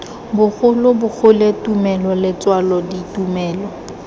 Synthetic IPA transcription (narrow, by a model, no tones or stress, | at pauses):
bʊɣʊlʊbʊk͡xʰʊletumɛlɔlɪt͡swalɔditumɛːlɔ